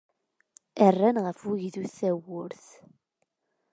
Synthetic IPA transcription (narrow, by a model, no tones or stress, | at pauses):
ərːænʁəfʊʝðuθæwʊɾθ